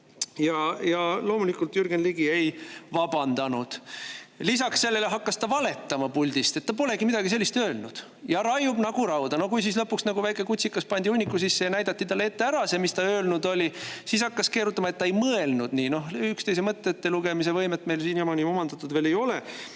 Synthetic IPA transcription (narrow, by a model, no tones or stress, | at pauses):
jɑjɑlo̞ːmulikːult̪jyrɡ̥enliɡ̥ie̞jvɑbɑnd̪ɑnud̪̥lisɑksːe̞lːe̞le̞ɦɑkːɑst̪ɑvɑle̞t̪ːɑmɑpulʲd̪̥ist̪e̞t̪ːɑpo̞le̞ɡimid̪ɑɡis̬e̞lːist̪øːlnud̪̥ | jɑɾɑjub̥nɑɡ̥uɾɑwd̪̥ɑno̞kujs̬is̬lɤ̞pːˑuksnɑɡuvæjkːˑe̞kut̪ʲsikːˑɑspɑnʲd̪iunʲːikːˑusisːe̞jɑnæjd̪ɑt̪ːit̪ɑlːeet̪ːe̞æɾɑsemist̪ɑøːlnud̪o̞lʲisiːshɑkːɑske̞ːɾut̪ːˑɑmɑe̞t̪ːɑejmɤe̞lnud̪̥niːno̞ɦykst̪e̞jsemɤt̪ːet̪ːeluɡ̥e̞mis̬e̞vɤ̞jmet̪ːˑme̞jlsiːnjomɑnʲio̞mɑnd̪̥ɑt̪ːˑud̪ve̞ːle̞jo̞le